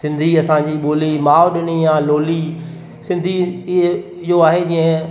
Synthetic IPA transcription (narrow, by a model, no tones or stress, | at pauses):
sɪ̃nd̪ʱiɐsãːd͡ʑiːɓoːlimaːʋʊɗɪnijãːloːli | sɪ̃nd̪ʱiɪ | ɪjoaːɦed͡ʑĩːə̃